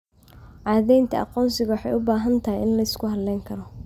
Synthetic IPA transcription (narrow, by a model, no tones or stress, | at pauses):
ʕɑːðɛjnt̪ʰɐʔɑ̰qɔːnsɪɣɐwɑħɑjʊbaːɦɐnt̪ʰɐɦɪjɪnlɐɪskʰʊɦɐd̪lɛjŋkʰɐɾɔ